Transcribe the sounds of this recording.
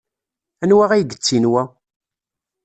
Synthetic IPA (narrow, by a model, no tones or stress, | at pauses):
ænwæʁæjɡət͡sːinwæ